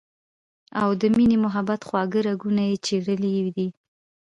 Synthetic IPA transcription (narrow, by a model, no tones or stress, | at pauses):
awd̪əminemʊɦabat̪xwɑɡəɾaɡunajet͡ʃeɽəlid̪i